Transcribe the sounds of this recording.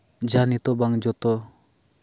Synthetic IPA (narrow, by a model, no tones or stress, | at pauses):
d͡ʒanit̪ɔbaŋd͡ʒɔt̪ɔ